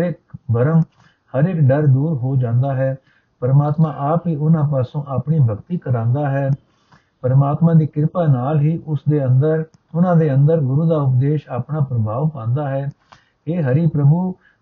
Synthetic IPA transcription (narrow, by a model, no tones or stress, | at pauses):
ɾeːkbəɾəm | həɾeːkɖəɾd̪uːɾɦoːd͡ʒãːnd̪aːɦɛː | pəɾəmaːt̪mãːʔaːpɦiːʊnãːp̬aːsõːʔaːpɳiːbʱəkt̪iːkəɾãːnd̪aːɦɛː | pəɾəmaːt̪mãːd̪iːkɪɾpaːnaːlɦiːʔʊsd̪eːənd̪əɾ | ʊnãːd̪eːənd̪əɾɡʊɾuːd̪aːʊp̬̚d̪eːʃaːpɳaːpɾəbʱaːʋpãːnd̪aːɦɛː | eːɦəɾiːpɾəbuː